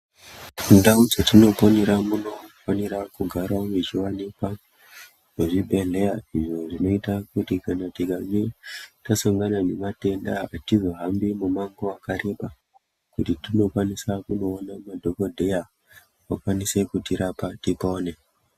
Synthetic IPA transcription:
kundaud͡zatino̞poniɾamuno̞faniɾakuɡʱaɾauʐit͡ʃiwanikwa | ʐeʐibʱe̞ɮe̞jaiʐo̞ʐino̞itakutikanatiɡʱaŋetasaŋɡanane̞mate̞ndaatizo̞ɦambimumaŋɡoakaɾe̞pa | kutitino̞kwanisakuno̞ːnamadʱoko̞dʱe̞ja | wakwanise̞kutiɾapatipoːne̞

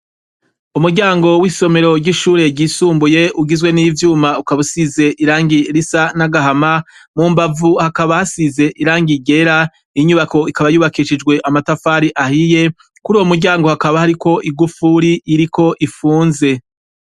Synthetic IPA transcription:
umuɾɟaːŋɡo̞wiːso̞me̞ɾo̞ɾɟiʃuːɾe̞ɟiːsuːmbuje̞uɡizwe̞niːvjuːmaukaβusize̞ʔiɾaːŋɡiɾisanaɡaɦamamuːmbavuhakaβahasize̞ʔiɾaːŋɡiɟe̞ɾa | iɲuβako̞ikaβajuːβakiʃid͡ʒɡwe̞ʔamatafaːɾiʔahije̞ | kuɾuːwomuɾɟaːŋɡo̞hakaβahaɾiko̞ʔiɡufuɾiʔːɾiko̞ʔifuːnze̞

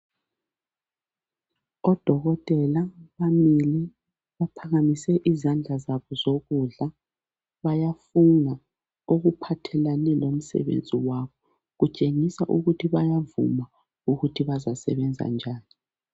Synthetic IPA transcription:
ɔd̥ʱɔɣɔtʼɛlaβamili | βapʰaɣamisɛʔizand͡ɮʱazaβɔzoɣuɮa | βajafuna | oɣupʰatʰɛlanɛlom̩sɛ̰βḛnd͡zʱiwaβɔ | ɣut͡ʃʼeŋisaʔuɣutʰiβajavṵma | uɣutʰiβazasɛ̰βɛnd͡zʱa̰nd͡ʒʱaːni

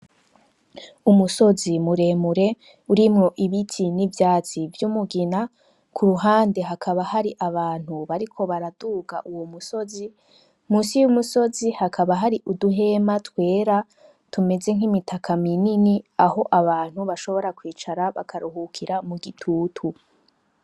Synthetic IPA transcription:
umuso̞zimuɾe̞ːmuɾe̞ | uɾimŋo̞ʔiβitʰinivjaːt͡sivjumuɡina | kʰuɾuɦaːndeɦakʰaβahaɾiʔaβaːn̥huβaɾikʰo̞βaɾaduɡa̰ʔuwomuso̞zi | muːsijumuso̞zihakʰaβaɦaɾiʔuduɦe̞matwe̞ːɾa | tʰume̞ze̞ŋ̥himitʰakʰamininiaɦo̞ʔaβaːn̥huβaʃo̞βo̞ɾakwiːt͡ʃaɾaβa̰kʰaɾuɦukʰiɾamuɡitʰuːtʰu

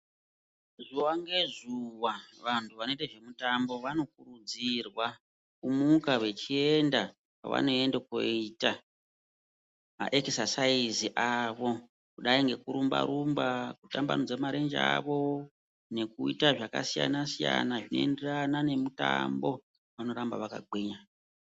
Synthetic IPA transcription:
ʐuwaŋɡe̞zuwaʋantʰuʋano̞iteʐe̞mutambo̞ʋano̞kurud͡zirwa | kumukawe̞t͡ʃie̞nda | pa̰ʋa̰no̞e̞ndeko̰ita | ma̰ʔeksasaiziʔaʋo̞ | kuɗaiŋɡe̞kuɾumba̰ɾumbakutamba̰nud͡zamaɾe̞nd͡ʒaʋo̞ | ne̞kuḭtaʐaka̰sija̰nasija̰naʐino̞̰e̞nderanane̞muta̰mbo̞ | ʋano̞ɾamba̰ʋaka̰ɡʱwiːɲa

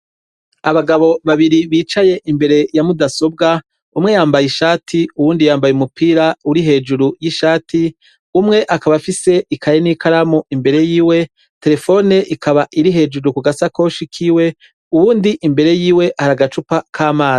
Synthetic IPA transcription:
aβaɡaβo̞βaβiɾiβiːt͡ʃaje̞ʔimbe̞ɾe̞jamudaso̞bɡa | umŋe̞jaːmbajiʃaːtʰiuwuːndijaːmbajumupʰiːɾauɾiɦe̞ːd͡ʒuɾujiʃaːtʰi | umŋe̞ʔakaβafise̞ʔikʰaɾenikaɾamoʔimbe̞ɾe̞jiːwe̞ | te̞ɾe̞fo̞ne̞ʔikaβaʔiɾiɦe̞ːd͡ʒuɾukuɡasakoʃikʰiwe̞ | uβuːndiʔimbe̞ɾe̞jiːwe̞haɾaɡat͡ʃupakʰaːmaːzi

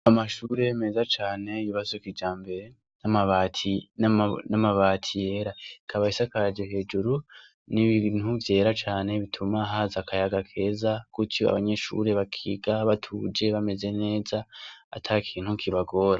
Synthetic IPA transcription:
amaʃuɾeme̞zat͡ʃaːne̞iβazokid͡ʒaːmbe̞ɾe̞ | namaβatʰi | namaβaːtʰije̞ːɾaikʰaβahisakad͡ʒoɦe̞ːd͡ʒuɾu | niβinuvje̞ːɾat͡ʃaːne̞βitʰumaɦaːzakʰajaɡakʰe̞ːzakutʰjoa̰βaɲe̞ʃṵɾe̞βakʰiɡaβatʰuːd͡ʒe̞βame̞ze̞ne̞ːzaa̰tʰakʰiːn̥hukʰiβaɡo̞ːɾa

